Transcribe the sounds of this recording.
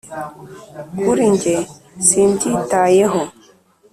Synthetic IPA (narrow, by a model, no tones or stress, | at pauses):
kuɾiɲd͡ʒe | sintitajeɦo